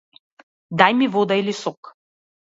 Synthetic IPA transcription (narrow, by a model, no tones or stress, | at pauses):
d̪ajmivɔd̪ailisɔk